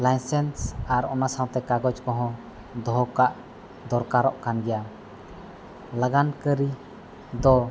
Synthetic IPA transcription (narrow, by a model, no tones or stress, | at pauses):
lajnsɛnsaɾɔnasaw̃t̪ɛkaɡɔd͡ʒkɔɦɔ̃ | d̪ɔɦɔkaʔ | d̪ɔɾkaɾɔʔkanɡɛja | laɡankəɾi | d̪ɔ